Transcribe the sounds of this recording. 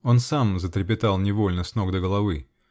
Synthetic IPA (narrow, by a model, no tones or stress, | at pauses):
o̞nsamzət̪ɾʲɪpʲɪt̪alˠnʲɪvo̞lʲnəsnoɡd̪əɡəlˠɐvɨ